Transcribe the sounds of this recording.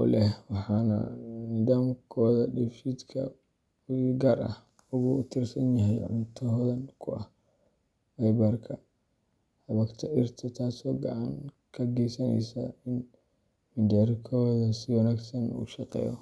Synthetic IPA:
ɔ̰ːlɛwɑħɑːnɐ̰nɪðaːmkʰɔːðɐɗɛfid̪kʰɐ̰ | ɡɐɾɐ̰h | ʊɣut̪ʰɪrsɐnjɐɦɛjʕʊnt̪ʰɔɦðɐnkʰʊʔɐ̰h | wɛbɐrkʰɐ | hɐβɐɡt̪ʰɐʔɪrt̪ʰɐt̪ʰaːsɔːɡɐʕaŋkʰɐɡɛjsɐnɛ̰jsɐ̰ɪn | mɪnd̪ɛɾkʰɔːðɐsɪwɔnaɡsɐnṵːʃɑqɛ̰ːjɔ̰

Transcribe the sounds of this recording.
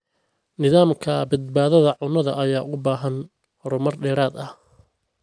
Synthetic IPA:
nɪðaːmkʰɐbɐd̪̚baːðɐðɐʕʊnɐðɐ̰ʔɐjaːʔʊbaːɦɐn | hɔɾɔmɐrɖɛːɾaːd̪ɐh

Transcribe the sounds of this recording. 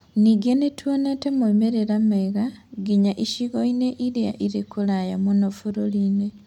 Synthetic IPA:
niɡenetʰwonetemoimeɾeɾameɣaɡiɲaʔiʃiɣoineʔilia̰ʔiɾekulajamunofuɾoline

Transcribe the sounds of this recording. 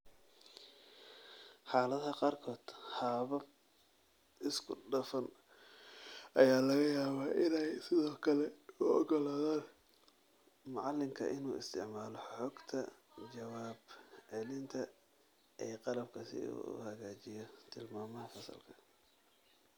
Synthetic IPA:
ħɑːlɐðɐqɑːrkʰɔːd̪̥haːβɐb | ɪskʰʊɖɐfɐn | ʔɐjaːlɐɣɐjaːβaːʔɪnɛjsɪðɔːkʰɐlɛʊɔɡɔlaːðaːn | mʊʕɑlːɪmkʰɐ̰ʔɪnṵːɪst̪ʰɪ̰ʕmaːlɔħɔːɡt̪ʰɐ | t͡ʃɐwaːbʕɛlɪnt̪ʰɐ | ʔɛːqɑlɐb̚kʰɐsɪ̰ṵːʊ̰hɐɣaːt͡ʃɪjɔt̪ʰɪlmaːmɐɦɐfɐsɐ̰lkʰɐ̥

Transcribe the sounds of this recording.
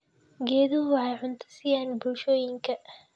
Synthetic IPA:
ɡɛːðʊɦʊwɑħɑjʕʊnt̪ʰɐ̥sijaːnbʊlʃɔːjɪŋkʰɐ

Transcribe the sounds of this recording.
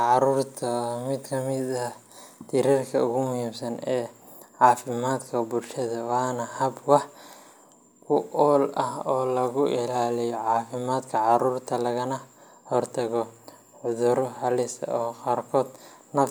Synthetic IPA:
ʕɑɾuːrt̪ʰɐːmɪd̪kʰɐmɪdɐ | t̪ʰɪɾɐrkʰɐʊɣʊmʊhiːmsɐnɛːʕɑːfɪmaːd̪kʰɐbʊlʃɐðɐwɑːnɐhɐbwɑħ | kʰʊʔɔːlɐhɔːlɐɣʊʔɪlaːlɪjɔʕɑːfɪmaːd̪kʰɐʕɑɾuːrt̪ʰɐlɐɣɐnɐ | hɔrt̪ʰɐɣɔ | ʕʊðʊɾɔhɐlɪst̪ɐ̰ɔːqɑːrkʰɔːd̪nɐf

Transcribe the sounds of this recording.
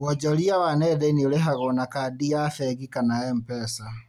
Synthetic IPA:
wɔd͡ʒɔliawanɛðɛnileɦaɣɔnakadiafɛɣikanaɛm̩pɛsa

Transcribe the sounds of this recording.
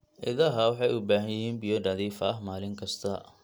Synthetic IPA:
ʔɪ̰ðɐɦɐwɑħɑjʊbaːɦɐnjɪɦiːnbijɔɖɐðiːfɐɦmaːlɪŋkʰɐst̪ʰɐ

